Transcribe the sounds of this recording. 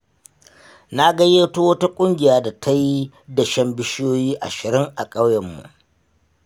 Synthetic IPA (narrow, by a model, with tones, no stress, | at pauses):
na˦ɡɐ˦jeː˦to˦wɐ˦ta˦kʷʼʊ˦ŋɡʲɪ˨jaː˦da˨tʰa˦ji˦ | dɐ˨ʃɐ˦mbɪ˦ʃɪ˦joː˦jiː˦ʔa̰˨ʃɪ˨ɾɪ˦ŋʔa˨kʼa˦wjɛ˨mːṵ˨ʔ